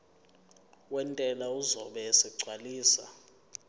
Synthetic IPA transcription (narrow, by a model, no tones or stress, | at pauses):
wɛntʼɛlauzɔɓɛsiǀʱwaliːsa̰